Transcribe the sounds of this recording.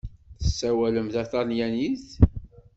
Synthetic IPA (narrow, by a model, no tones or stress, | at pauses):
θəsːæwæləmθæθɑnjæniθ